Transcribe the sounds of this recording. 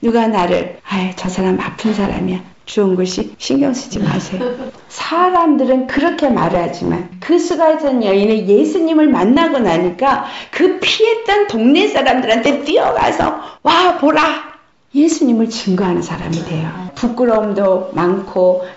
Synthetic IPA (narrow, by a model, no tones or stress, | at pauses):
nuɡanaɾɯ̰ɭajet͡ɕʌsʰaɾamiapʰɯnsʰaɾa̰mija | t͡ɕuɯnɡoɕʰiɕʰiŋɡjʌŋsʰud͡ʑima̰sʰe̞jo | sʰaɾamdɯɾɯnkɯɾʌkʰe̞ma̰ɾad͡ʑima̰nkɯsʰuɡasʰʌɲʌineje̞sʰuɲimɯɭmanːaɡʌnaɲik͈akɯpʰie̞t͈ʌntoŋɲes͈ʰaɾamdɯɾɦantʰet͈iʌɡa̰sʰʌ̰wapoɾa | je̞sʰuɲimɯɭt͡ɕɯŋɡoɦanɯnsʰaɾa̰midwe̞jopuk͈ɯɾʌmdomankʰo